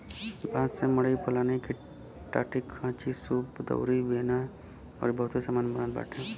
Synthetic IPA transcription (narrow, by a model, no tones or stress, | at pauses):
bʱaːd̪semɐɽipəlaːneki | ʈa̰ːʈɪkʰːãːt͡ʃisuːpd̪ə̰ʊɾiʋeːna | ɔ̰ːɾbɐɦʊt̪isaːmaːnbənãnd̪ba̰ːʈʰɛ̃ː